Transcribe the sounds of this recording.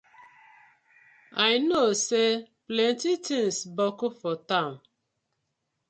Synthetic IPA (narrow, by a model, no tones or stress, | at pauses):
ajnoseplɛ̃ntitĩŋsbɔkʊfɔtãʊ̃n